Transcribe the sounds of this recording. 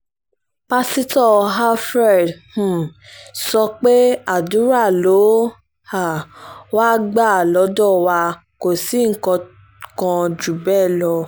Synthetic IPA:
pa˧si˦tɔ˦˨ɦa˦fɾɛ˦˨dh̩˦˨sɔ˧k͡pe˦a˨du˨˦ɾa˦˨lo˨˦ | ha˦˨waː˦ɡ͡ba˦˨lɔ˨˦dɔ˦˨wa˧ | ko˨si˨˦ŋ̩˨kɔ̃˧ | kã˧d͡ʒu˨bɛ˦˨lɔ˧

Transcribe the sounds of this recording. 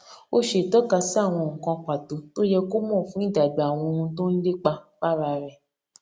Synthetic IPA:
o˦ʃe˨tɔ˦ka˧si˦a˦˨w̃ɔ̃˧ŋ̩˨kɔ̃˧k͡pa˨to˧to˦jɛ˧ko˦mɔ̃ː˦˨fũ˨˦i˦˨da˨da˨w̃ɔ̃˧ũ˧to˦n̩˦de˦k͡pa˧fa˦ɾa˧ɾɛ˨

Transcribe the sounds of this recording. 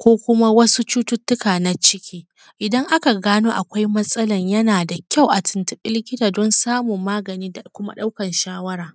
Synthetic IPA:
kʷoː˦kʷʊ˦ma˦wɐ˦su˦t͡ʃuː˦tʊ˦tːʊ˦kaː˨na˦t͡ʃɪ˦kʲiː˦ | ʔɪ˨dɐ˦ŋʔa˦ka˨ɡaː˦noː˦ʔa˨kʷa˦jmɐ˦sʼɐ˦lɐ˨ɲjɐ˦naː˨da˨kʲa˦˨wʔa˨tʰɪ˨ntʊ˨ɓɪ˦lkʲɪ˦daː˨dɔ˦nsaː˦mʊ˨mːaː˦ɡɐ˨niː˦da˨kʷʊ˦ma̰˦ɗa˦wkɐ˨nʃaː˦wɐ˦ɾaː˨

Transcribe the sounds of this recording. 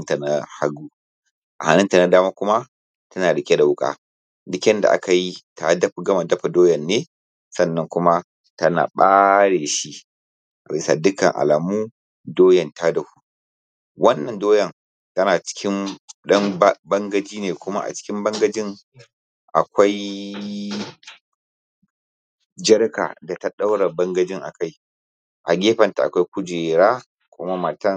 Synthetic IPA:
nta˨na˦ha˦ɡuː˦ | ʔa˨ha˨nɪ˦nta˨na˨daː˦maː˦kʷʊ˦ma˦ | tɐ˦naː˨ɽɪ˨kʲʼe˦da˨wʊ˦kʼa̰˦ | dɪ˦kʲɛ˦nda̰˨ʔa̰˦ka˨ji˦tʰa˨dɐ˦ɸɡɐ˦ma˨dɐ˦ɸa˨doː˦jɐ˨nːeː˦ | sɐ˦nːɐ˦ŋkʷʊ˦ma˦ | tɐ˦na̰ː˨ɓaː˦ɽeː˨ʃi˦ | ʔa̰˨ɾi˦sa̰˨dʊ˦kɐ˨ŋʔa̰˨la˨muː˦ | doː˦jɐ˨ntʰa˦dɐ˦ɸu̥˨ | wɐ˦nːɐ˨ndoː˦jɐ˨ŋ | tɐ˦naː˨t͡ʃɪ̥˦kʰʲɪ˦mɗɐ˦m˦bɐ˦ŋɡɐ˦d͡ʒiː˦neː˨kʷʊ˦ma̰˦ʔa̰˨t͡ʃɪ̥˦kʲɪ˦mbɐ˦ŋɡɐ˦d͡ʒɪ˦ŋ | ʔa̰˨kʷa˦j | d͡ʒɐ˦rka̰˨da˨ta˦ɗa˦wɽa˨bɐ˦ŋɡɐ˦d͡ʒɪ˦ŋʔa̰˨ka˦j | ʔa˨ɡʲeː˦ɸɐ˨nta˨a̰˨kʷa˦jkʷʊ˦d͡ʒeː˨ɾaː˦ | kʷʊ˦ma˦ma˨tɐ˦˨ŋ

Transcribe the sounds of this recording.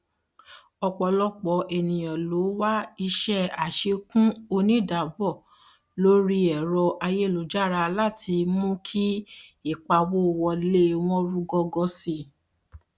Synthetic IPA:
ɔ˧k͡pɔ˨lɔ˦k͡pɔ˨˦ʔe˨nĩ˨j̃ã˨lo˨˦wa˦i˧ʃɛ˦a˨ʃe˧kũ˦o˧nĩ˦˨da˨bɔ˦˨ | lo˦ɾi˦ɛ˨ɾɔ˧ʔa˧je˦˨lo˨d͡ʒa˦˨ɾa˧la˦˨tʰi˧mũ˦kʰi˦i˦˨k͡pa˧wo˦˨wɔ˧le˦w̃ɔ̃˦ɾu˦ɡɔ˧ɡɔ˧si˧

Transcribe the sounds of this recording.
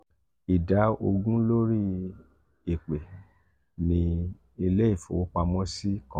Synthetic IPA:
i˨da˨˦o˧ɡũ˦lo˦ɾi˦ | e˨k͡pe˨ | nĩ˧ | i˧le˦i˦˨fo̰˨˦k͡pa˧mɔ̃˦si˦kɔ̃˦

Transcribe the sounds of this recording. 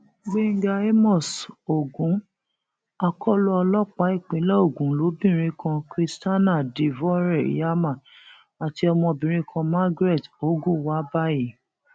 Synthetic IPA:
ɡ͡be˦ŋ̩˦ɡa˧e˦mɔ˦˨so˨ɡũ˨˦ | a˧kʰɔ˦lɔ˦ɔ˧lɔ˦k͡pa˨˦i˦˨k͡pĩ˨˦lɛ˦o˦˨ɡũ˨˦lo˨˦bĩ˦˨ɾ̃ĩ˧˦kʰã˧kɾi˧sta˦nã˦˨di˨vɔ˦ɾɛ˦˨ḭ˨˦ja˦mã˦˨ | a˨ti˧ɔ˧mɔ̃˧bĩ˨ɾ̃ĩ˧˦kʰɔ̃˧ma˦ɡɾe˦˨to˨˦ɡũ˦wa˦ba˦ji˨

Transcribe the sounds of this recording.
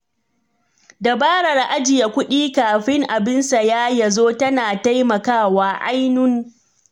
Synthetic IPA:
da˨baː˦ɽɐ˨rʔa˦d͡ʒɪ˨ja˨kʷʊ˦ɗiː˦kaː˨ɸɪ˦ŋʔa˨bɪ˦nsa˨jaː˦ja˨zoː˦tɐ˦naː˨ta˦jmɐ˨kaː˦˨waː˨ʔa̰˦jnʊ˦ŋ

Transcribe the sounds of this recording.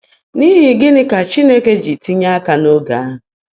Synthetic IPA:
ni˦ɦɪ˨ɡɪ˦nɪ˦ka˨t͡ʃi˦ne˦ke˦d͡ʒi˨ti˦ɲa˦a˦ka˨no˦ɡa˨a˦ɦʊ˨

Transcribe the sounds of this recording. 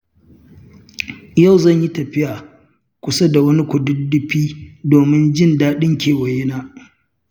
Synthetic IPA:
ja˦˨wzɐ˦˨ɲji˦tɐ˨ɸɪ˦jaː˨ | kʷʊ˨sa˦da˨wɐ˦ni˦kʷʊ˨dʊ˦dːɪ˦ɸiː˦doː˨mɪ˦nd͡ʒɪ˦ndaː˦ɗɪ˦ŋkʲeː˨wɐ˨jɪ˦naː˦

